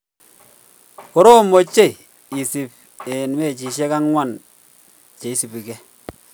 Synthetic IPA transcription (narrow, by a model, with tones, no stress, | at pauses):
ko˨ɾo˦mo˨t͡ʃe˦i˨ | i˨si˨p̚ | e˨nme˦˨t͡ʃi˨ʃɛ˦ka˦ŋwa˦˨n | t͡ʃe˨i˦si˨pi˨kɛ˦